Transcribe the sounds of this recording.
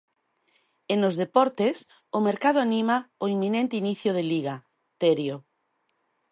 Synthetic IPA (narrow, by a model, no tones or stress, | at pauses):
enozðepɔɾt̪es | omeɾkað̞oanimaoimːinẽnt̪einiθjoð̞eliɣa | t̪eɾjo